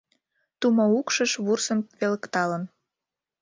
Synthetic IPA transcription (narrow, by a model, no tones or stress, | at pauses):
t̪umoukʃəʃβursəmβeləkt̪ɑlən